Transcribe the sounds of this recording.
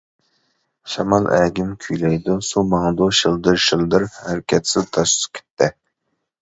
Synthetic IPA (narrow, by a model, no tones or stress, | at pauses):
ʃɑmɑlˠæ̰ɡʲimkʲʰyjlɛjd̪usumɑŋd̪ʊʃɪlˠd̪ɨɾʃɨlˠd̪ɨɾhæɾkʲʰɛt̪sɪzt̪ʰɑʃkʲʰe̥t̪ʰːɪ